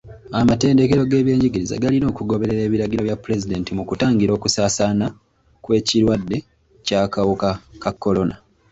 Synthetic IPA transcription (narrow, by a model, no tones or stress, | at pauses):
amate̞ːnde̞ke̞ɾo̞ɡe̞ːβje̞ːɲɟiɡiɾiza̰ɡalino̞ːkuɡo̞βe̞ɾe̞ɾe̞ːβiɾaɟiɾo̞βjapːuɾe̞zide̞ːntimukutaːŋɡiɾo̞ːkusaːsana | kwe̞ːciɾwadːe̞ | cakawukakakːo̞lo̞na